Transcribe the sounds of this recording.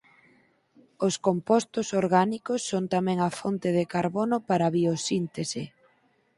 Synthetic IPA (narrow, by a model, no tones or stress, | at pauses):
oskompɔst̪ʊsoɾɣanikʊsːoŋt̪amɛ̃ŋafont̪ɪðɪkaɾβɔnʊpaɾaβiosint̪esɪ